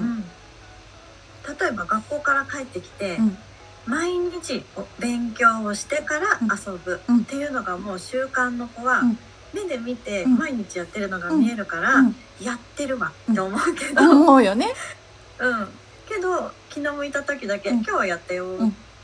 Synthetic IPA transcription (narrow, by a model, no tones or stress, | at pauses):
ɯ̟̃ɴ | t̪at̪o̞e̞baɡakːo̞ːkaɾakaet̪ːe̞kʲi̥t̪e̞ | maiɲ̟it͡ɕiobẽ̞ŋkʲo̞ːɕi̥t̪e̞kaɾaʔːso̞bɯ̟t̪ːe̞jɯ̟ːno̞ɡamo̞ːɕɨːkãnːo̞ko̞βa | me̞d̪e̞mʲit̪e̞maiɲ̟it͡ɕijat̪ːe̞ɾɯ̟no̞ɡamʲie̞ɾɯ̟kaɾa | jat̪ːe̞ɾɯ̟βat̪ːeomo̞ɯ̟ke̞d̪ojone | ɯ̟̃ɴ | ke̞d̪o̞kʲinomoit̪at̪o̞kʲid̪ake̞kʲo̞ːβajat̪ːejo